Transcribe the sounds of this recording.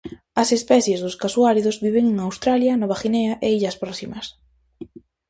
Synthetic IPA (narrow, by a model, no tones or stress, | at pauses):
ɐsespɛθjezðʊskasuaɾiðʊzβiβeŋeŋawst̪ɾaljɐnɔβaxineɐʔeiʎɐspɾɔsimɐs